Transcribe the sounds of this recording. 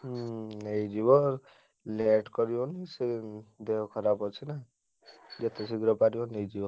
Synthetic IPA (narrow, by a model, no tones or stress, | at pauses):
nejd͡ʒibɔ | leʈkɔɾibɔnised̪eɦɔkʰɔɾabɔt͡ʃʰina | d͡ʒet̪ʰesiɡɾɔpaɾibɔnejd͡ʒibɔ